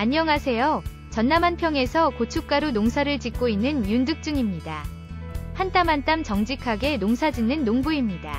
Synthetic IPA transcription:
aɲːʌŋasʰe̞jo | t͡ɕʌnːamɦanpʰjʌŋe̞sʰʌkot͡ɕʰuk͈aɾunoŋsʰaɾɯɭt͡ɕik̚k͈oinːɯnjundɯk̚t͡ɕ͈ɯŋimɲida | hant͈amɦant͈amt͡ɕʌŋd͡ʑikʰaɡe̞noŋsʰad͡ʑinːɯnːoŋbuimɲida̰

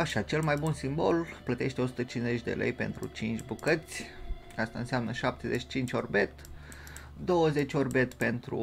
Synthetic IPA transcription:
aʃiat͡ʃe̞lmajbunsimbo̞lplət̪e̞ʃt̪eo̞su̥t̪ət͡ʃinze̞t͡ʃʲd̪e̞̰lḛjpe̞̰nt̪ɾṵt͡ʃint͡ʃʲbukət̪sʲ | ast̪aɨnseamnəʃap̚t̪e̞zet͡ʃi̥t͡ʃint͡ʃʲo̞rbe̞t̪ | d̪o̞wəze̞t͡ʃʲo̞rbe̞t̪pe̞nt̪ɾṵ

